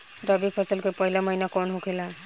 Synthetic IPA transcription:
ɾəbipʰət͡ʃəlkepəɦilaməɦinakɔnɦokʰela

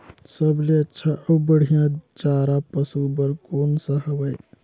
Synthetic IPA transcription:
səbleətːʃʰaʔəbbəɽ̤ijãt͡ʃaːɾapəsubəɾkoːnsə̃ɦəbəj

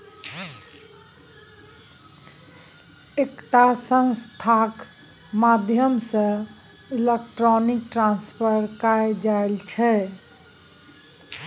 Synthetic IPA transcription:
ekʈasə̃nst̪ʰak | mad̪ʱjəmsə̃ | ilek̚ʈɾɔnik̚ʈɾãnspʰəɾkaed͡ʒaelt͡ʃʰɛ

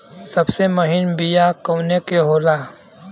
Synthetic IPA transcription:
sɐbsemɐɦɪnbijakoːnekeɦoːlaː

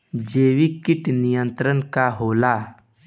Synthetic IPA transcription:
d͡ʒeːwikɪʈnijə̃nt̪ɾənkaɦoːlaː

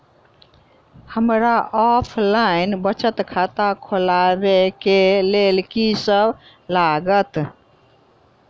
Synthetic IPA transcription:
həmɾaʔɔpʰlainbət͡ʃət̪kʰat̪akʰolabekelelkisəbʱ | laɡət̪

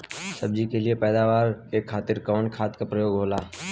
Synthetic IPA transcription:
səb̚d͡ʒikeliepɛːd̪aːʋaːɾekʰːaːt̪ɪɾkɔːnkʰaːt̪kapɾəjoːɡɦoːlaː

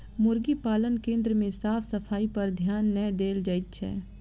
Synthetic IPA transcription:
mʊɾɡipaːlənkẽːnd̪ɾəmẽsaːpʰsəpʰaːipɐɾd̪ʱjaːnːəd̪eːld͡ʒəɪt̪̚t͡ʃʰɛ̰ː

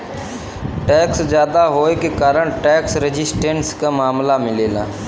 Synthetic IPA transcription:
ʈɛːksd͡ʒjaːd̪aɦoːekekaːɾəɽ̃ʈɛːksɾed͡ʒɪsʈẽːɳʈskamaːmlamɪleːlãː

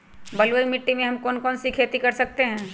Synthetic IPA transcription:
bɐlwəimɪʈːimẽɦɐ̃mkɔːnkɔːnsikʰeːt̪ikɐɾsɐk̚t̪eɦɛ̃ː

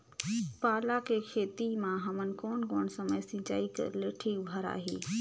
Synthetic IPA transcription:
paːlakekʰeːt̪imãɦɐmənɪ̆koːnkoːñsɐməjsĩd͡ʑa̰ːikɐ̰leʈʰibʱɐɾa̰ːɦeː

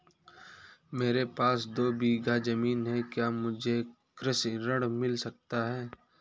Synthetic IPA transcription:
meːɾepaːsd̪oːbiːɡad͡ʒɐmiːnɦɛkjaːmʊd͡ʒʱe | kɾɪsiɾɐɽmɪlsɐk̚t̪aɦɛː

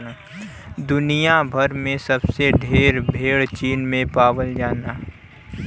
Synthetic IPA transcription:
d̪ʊnijabʱɐɾmẽsɐbseɖʱeːɾbʱeːɽt͡ʃiːnmẽpaːʋəld͡ʒaːnaː

